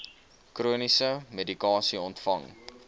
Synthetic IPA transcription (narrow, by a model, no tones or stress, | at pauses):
kruənisəmedikɑːsiɔntfɐŋ